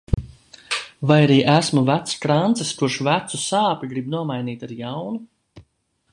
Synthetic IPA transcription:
vajaɾiːʔæsmuvæt̪skɾant̪sɛskuʃvæt̪susaːpʲiɡɾib̚nuɔmajniːt̪aɾjawnu

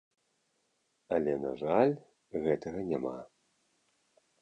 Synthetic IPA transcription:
ɐlʲɛna̰ʐalʲ | ɣɛt̪ɐɣɐnʲama̰

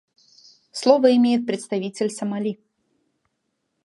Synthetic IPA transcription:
slˠɔvəɪmʲejɪt̪̚pɾʲɪt̪st̪avʲit͡sʲɪlʲsɐmalʲi

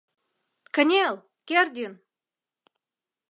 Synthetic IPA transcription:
kə̆nʲelˠ | kʲerd̪ʲin

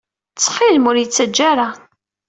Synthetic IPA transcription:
t͡sːχɪlmʊɾjət͡sːəd͡ʒːaɾa

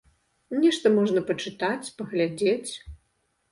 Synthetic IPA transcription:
nʲɛʂt̪ɐmɔʐnɐpɐt͡ʂɨt̪at͡sʲpɐɣlʲad͡zʲet͡sʲ

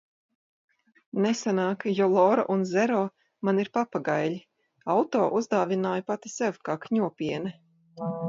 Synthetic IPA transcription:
nesanaːkjɔlˠɔːɾɔ̰ʔunzɛɾɔː | maniɾpapaɡajlʲi | awt̪ɔːʔuzd̪aːvinaːjpat̪isɛwkaːkɲuɔpʲiɛnɛ

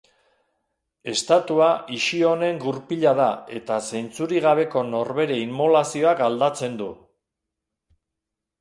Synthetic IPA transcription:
e̞st̪at̪uaiʃio̞ne̞ŋɡuɾpiʎað̞ae̞t̪ase̞jnt͡suɾiɣaβ̞e̞ko̞no̞ɾβe̞ɾe̞immolasio̞akɡald̪at͡se̞nd̪u

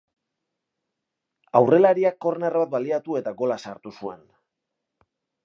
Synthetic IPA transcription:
awre̞laɾiakːo̞rnerβat̪̚baliat̪ue̞t̪aɡo̞lasaɾt̪usue̞̰n

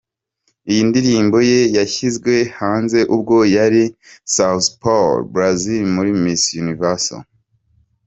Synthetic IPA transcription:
ijindiɾiːmbo̞je̞jaçizɡwe̞haːnze̞ʔub̚ɡo̞jaɾisawθpolbɾazilmuɾimisjunivaso̰

